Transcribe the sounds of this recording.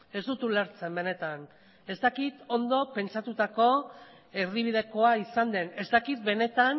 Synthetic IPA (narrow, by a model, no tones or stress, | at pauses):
e̞zd̪ut̪ulaɾt͡se̞mbe̞ne̞t̪an | e̞st̪akit̪o̞nd̪o̞pe̞nt͡sat̪ut̪ako̞ | e̞riβ̞ið̞e̞ko̞aisand̪e̞ne̞zt̪akit̪̚be̞ne̞t̪an